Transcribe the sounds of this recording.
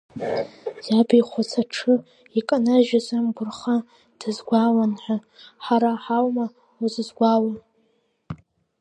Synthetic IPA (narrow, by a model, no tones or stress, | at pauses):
zabijχʷat͡sʰaʈ͡ʂʰɨ | ikʼanaʒᶣazamɡʷʊrχa | d̥ɨzɡʷawanħʷᶣa | ħaɾaħawma | uzɨzɡʷawa